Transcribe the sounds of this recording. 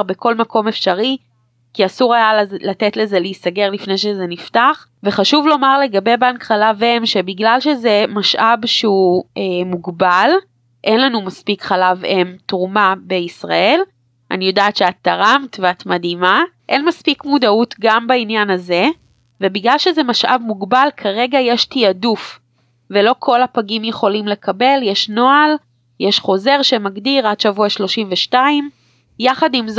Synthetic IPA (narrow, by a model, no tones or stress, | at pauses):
beko̞lmako̞mefʃaʁi | kiasuʁajallatetle̞zeleistaɡe̞ʁlifne̞jʃezeniftaχ | veχaʃuvlo̞maʁle̞ɡabe̞jbeankχalave̞mʃebiɡlalʃeze̞maʃʔabʃeuemuɡbal | ʔe̞nlanumaspikχalavemtʁumabeisʁa̰e̞l | ʔa̰nijo̞daːtʃeat̪ːaʁamtveatmadimaʔenmaspikmudautɡambainjanaze̞ | vebiɡlalʃezemaʃʔa̰vmuɡbalkʰaʁe̞ɡajeʃtiaduf | velo̞kʰo̞lapaɡimjeχo̞limle̞kʰabe̞ljeʃno̞al | jeʃχo̞ze̞ʁʃemaɡdiʁadʃavuaʃlo̞ʃimveʃtaim | jaχadimz